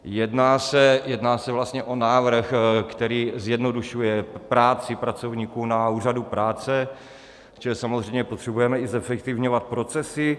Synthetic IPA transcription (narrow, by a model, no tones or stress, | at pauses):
jɛdnaːsɛjɛdnaːsɛvlast̪ɲɛʔo̞naːvr̩xkt̪ɛɾiːzjɛdno̞duʃujɛpɾaːt͡sɪpɾat͡sovɲiːkunauːradupɾaːt͡sɛ | t͡ʃɛlisamozr̝ɛjmɲɛpot̪r̥ɛbujɛmɛɪzɛfɛk̚t̪ɪvɲovat̪̚pɾo̞t͡sɛsɪ